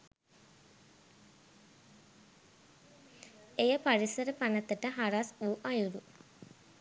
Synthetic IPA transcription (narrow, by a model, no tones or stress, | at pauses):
ejəpaɾisəɾəpanat̪ːəʈəɦaɾasuːʔajuɾu